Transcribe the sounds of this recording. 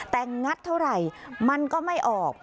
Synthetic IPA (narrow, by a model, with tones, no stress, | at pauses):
t̪ɛː˨˩ŋa˦˥t̪ʰːa˥˩wɾa˨˩jma˧nkɔː˥˩ma˥˩jʔɔː˨˩k̚